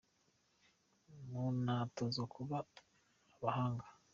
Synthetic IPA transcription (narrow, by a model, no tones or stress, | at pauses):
munatozokʰuβaː | βahaːŋɡa